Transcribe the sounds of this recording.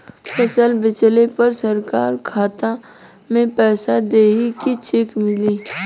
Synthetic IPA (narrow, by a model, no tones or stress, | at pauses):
pʰəsəlbɪt͡ʃlepɐɾsəɾkaːɾkʰaːt̪a | mẽpɛːsad̪eːɦikit͡ʃɪkmɪliː